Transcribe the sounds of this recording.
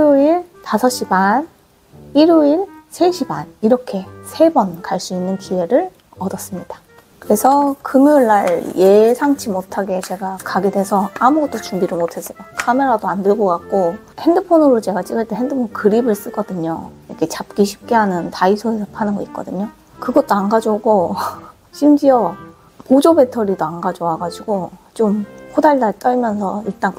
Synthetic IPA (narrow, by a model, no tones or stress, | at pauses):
uiɭtasʰʌɕ͈iban | iɾuiɭsʰe̞ɕʰiba̰niɾʌkʰe̞sʰe̞bʌnkaɭs͈uinːɯnkie̞ɾɯɭ | ʌdʌs͈ɯmɲid̥ḁ | kɯɾe̞sʰʌkɯmjuɭːaɭje̞sʰaŋt͡ɕʰimotʰaɡe̞t͡ɕe̞ɡakaɡedesʰʌamuɡʌt̚t͈ot͡ɕuŋbiɾɯɭmotʰe̞s͈ʌjokʰame̞ɾadoandɯɭɡokak̚k͈o | he̞ndɯpʰonɯɾot͡ɕe̞ɡat͡ɕ͈iɡɯɭt͈e̞hendɯpʰonkɯɾibɯɭs͈ɯɡ͈ʌdɯɲo̰iɾʌkʰe̞t͡ɕap̚k͈iɕʰi̥p̚k͈eɦanɯntaisʰoesʰʌpʰanɯnɡoit̚k͈ʌ̰dɯɲo | kɯɡʌt̚t͈oanɡad͡ʑoɡo | ɕʰimd͡ʑiʌ | pod͡ʑobe̞tʰʌɾidoanɡad͡ʑowaɡad͡ʑiɡot͡ɕompʰodaɭdaɭt͈ʌɭmjʌnsʰʌiɭt͈aŋ